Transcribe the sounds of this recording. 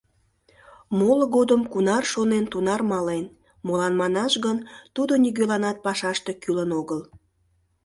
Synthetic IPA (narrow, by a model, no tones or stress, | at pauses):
moləɣod̪əmkunɑrʃonent̪unɑrmɑlen | molɑnmɑnɑʃɣənt̪ud̪oniɣølɑnɑt̪̚pɑʃɑʃt̪e̽kylənoɣəl